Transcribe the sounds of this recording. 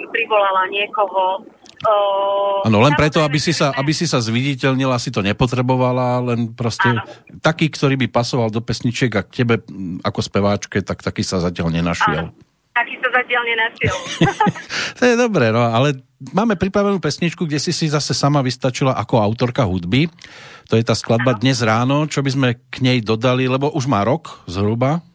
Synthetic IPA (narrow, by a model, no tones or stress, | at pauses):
pɾiʋɔlalaɲɪɛkɔɦɔ | aːnɔlɛnpɾɛt̪ɔabisisaʔabisisazʋiɟicɛʎɲilaasit̪ɔɲɛpɔt̪̬ɾɛbɔʋalalɛnpɾɔscɛ | t̪akiːkt̪ɔɾiːbipasɔʋald̪ɔpɛsɲit͡ʃɪɛɡakcɛbɛa̰kɔspɛʋaːt͡ʃkɛt̪akt̪akiːsazacɪalɲɛnaʃɪɛ̰l | t̪akiːsazacɪalɲɛnaʃɪɛl | t̪ɔjɛd̪ɔbɾɛnɔalɛ | maːmɛpɾipɾaʋɛnuːpɛsɲit͡ʃkuɡɟɛsisizasɛsamaʋist̪at͡ʃilaʔakɔaʊt̪ɔɾkaɦud̪bit̪ɔjɛt̪aːsklad̪̚bad̪ɲɛzɾaːnɔt͡ʃɔbizmɛkɲɛjd̪ɔd̪alilɛbɔʔuʒmaːɾɔkzɦɾuba